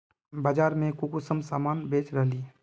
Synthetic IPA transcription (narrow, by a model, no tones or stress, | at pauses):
baːd͡ʒaːɾmẽkukusəmsaːmaːnbeːt͡ʃɾəɦliː